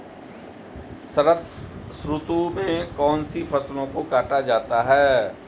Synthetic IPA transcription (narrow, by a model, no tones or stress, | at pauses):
səɾət̪ʰsɾʊt̪umẽkɔːnsipʰɐslõkokaːʈad͡ʒaːt̪aɦɛː